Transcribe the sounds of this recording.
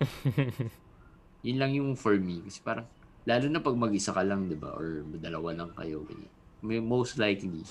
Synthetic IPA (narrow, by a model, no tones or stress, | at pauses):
jʊnlɐŋjʊŋfoɹmikɐsɛ̥paːɾɐŋ | laːlʊnɐpɐɡ̚mɐɡʔɪsakɐlɐŋd̪ɪba̰ʔoɹd̪ɐlɐwalɐŋkɐ̰jo̞̰ɡɐ̰ɲa̰nmɐmowst̪lajkli